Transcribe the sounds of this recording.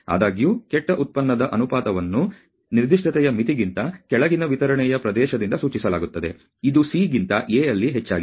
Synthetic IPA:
a̰ːd̪aːɡijuːkɛʈːɐʔut̪̚pɐnːɐd̪ɐʔɐnupaːt̪ɐʋɐnːu | niɾd̪iʂʈɐt̪ɛjɐmit̪iɡint̪ɐkɛɭɐɡinɐʋit̪ɐɾɐɳɛjɐpɾɐd̪ɛːʃɐd̪ind̪ɐsuːt͡ʃisɐlaːɡut̪ːɐd̪e̞̰ | id̪usiɡint̪ɐʔeːɐlːiɦet͡ʃːa̰ːɡi

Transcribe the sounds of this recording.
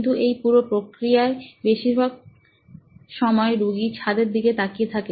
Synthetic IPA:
nt̪̬uʔejpuɾopɾokɾijaebeʃiɾbʱaɡ̚ | ʃɔmɔeɾuɡit͡ɕʰad̪eɾd̪iket̪akiet̪ʰake

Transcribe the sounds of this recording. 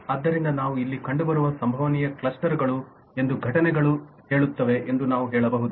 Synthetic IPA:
ɐd̪ːɐɾind̪ɐnaːʋuilːikɐɳɖubɐɾuʋɐsɐmbʱɐʋɐnijɐkɭɐsʈɐɾɡɐɭu | e̞nd̪uɡʱɐʈɐnɛɡɐɭu | ɦe̞ːɭut̪ːɐʋe̞ʔend̪unaːʋuɦɛːɭɐbɐɦud̪u

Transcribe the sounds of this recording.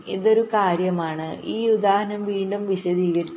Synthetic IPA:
iðo̞ɾukaːɾjɐmaːɳɨʔiːud̪aːhɐnɐmʋiːɳɖumʋiɕɐðiːɣɐɾiː

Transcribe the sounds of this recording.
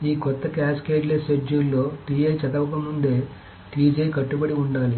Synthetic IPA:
iːkɔt̪ːɐkaːskeːd͡ʒleːsed͡ʒulːoːʈiːejt͡ʃɐt̪ɐʋɐkɐmund̪e̞ː | ʈiːd͡ʒejkɐʈːubɐɽiuɳɖaːli

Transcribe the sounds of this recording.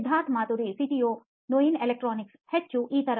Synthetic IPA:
d̪ʱaːt̪ʰmaːt̪uɾisiʈio | noinelek̚ʈɾɔːnɪkshɛt̪̚t͡ʃʰuʔiːt̪ɐɾ

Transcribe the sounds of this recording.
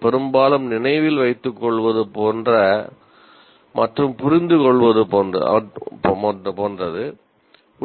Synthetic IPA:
pɛɾɯmbaːlɐmnɪnɐɪʋɪlʋɐɪt̪ːɯkːɔɭʋɐðɯpoːndrɐ | mʔɐʈrɯmpʊɾɪnd̪ɯkɔɭʋɐðɯpoːnrɐɐ̰ɐpːɐpoːndrɐðɯ | ʊ

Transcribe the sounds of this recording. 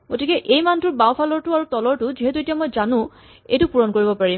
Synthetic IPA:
ɡotikɛʔejmantʊɹbawpʰalɔɹtʊaɹutɔlɔɹtʊziɦɛtuetijamɔjzanʊ̃ | ḛjtʊpuɹɔnkoɹibɔpaɹi

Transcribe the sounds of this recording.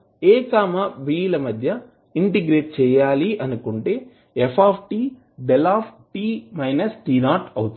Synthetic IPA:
eːkaːmɐʋiːlɐmɐd̪ʱjɐ | iɳʈiɡɾeːʈ̚t͡ʃɛːjaːliʔɐnukuɳʈe̞ː | epʰaːpʰʈiː | b̪elaːpʰʈiːmɐjnɐsʈiːnaːɾʈɐwt̪u

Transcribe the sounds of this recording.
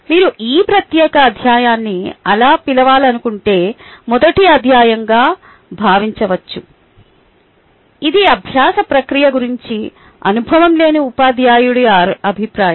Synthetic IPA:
miːɾuʔiːpɾɐt̪jɛːkɐːd̪ʱjaːjaːnːiɐlaːpilɐʋaːlɐnukuɳʈe̞ːmɔd̪ɐʈiɐd̪ʱjaːjɐŋɡaː | bʱaːʋiɲt͡ʃɐʋɐt͡ʃːu | id̪iɐbʱjaːsɐpɾɐkɾijɐɡuɾiɲt͡ʃi | ɐ̰nubʱɐʋɐmle̞ːniupaːd̪ʱjaːjuɽijaːɾɐbʱipɾaːjɐ

